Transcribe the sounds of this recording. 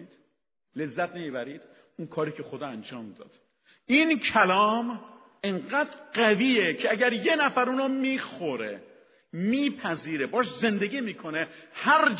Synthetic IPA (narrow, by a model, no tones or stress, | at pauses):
d̪̥ | le̞zːæt̪̚nemiːbæɾiːd̪̥ | unkʰɒːɾiːcʰe̞xod̪ɒːænd͡ʒɒːmd̪ɒ̰ːd̪̥ | iːncʰælɒːm | eŋɢæːd̪ɾɢæviːecʰeæɟæɾje̞næfæɾuːnɔmiːxoɾḛ | miːpʰæziːɾebɒːʃze̞nd̪eɡiːmiːkʰonehæɾd͡ʒ